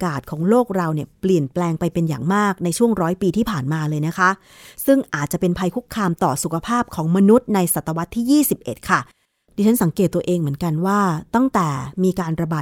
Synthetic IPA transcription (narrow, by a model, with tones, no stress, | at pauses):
kaː˨˩t̪̚kʰɔː˩˦ŋloː˥˩k̚ɾa˧wni˥˩əpli˨˩ənplɛː˧ŋpa˧jpe˧nja̰˨˩ŋmaː˥˩k̚na˧jt͡ɕʰu˥˩əŋɾɔː˦˥jpiː˧iː˥˩pʰaː˨˩nmaː˧lɤː˧jna˦˥kʰa˦˥ʔ | sɯ˥˩ŋʔʔaː˨˩t̪̚t͡ɕa˨˩pe˧npʰa˧jkʰu˦˥k̚ʰːaː˧mt̪ɔ̰ː˨˩su˨˩kʰa˧pʰaː˥˩p̚kʰɔː˩˦ŋma˧nu˦˥t̪̚na˧jsa˨t̪ːa˧wa˦˥t̪ʰːiː˥˩jiː˥˩si˨˩p̚ʔḛ˨˩t̪̚kʰa˥˩ | diː˧t͡ɕʰa˦˥nsa˩˦ŋkeː˨˩t̪ːu˧ɐʔeː˧ŋmɯ˩˦ənka˧nwaː˥˩t̪a˥˩ŋt̪ɛː˨˩miː˧kaː˧nɾa˧baː˨˩